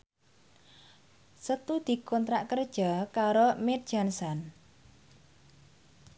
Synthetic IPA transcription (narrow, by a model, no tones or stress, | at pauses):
sət̪ud̪̥i̤kɔnt̪ɾaʔkərd̥ʒ̥ɔ̤kaɾomet̪̚d̥ʒ̥a̤nsan